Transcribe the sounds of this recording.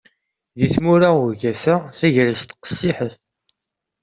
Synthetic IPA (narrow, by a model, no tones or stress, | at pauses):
ðiθmuɾaʊʝæfæθæʝɾəst̪qə̥sːɪħəθ